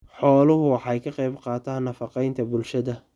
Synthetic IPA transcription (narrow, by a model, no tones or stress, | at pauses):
ħɔːlʊɦʊwɑħɑjkʰɐqɛjbqɑːt̪ʰaːnːɐfɑqɛjnt̪ʰɐbʊlʃɐðɐ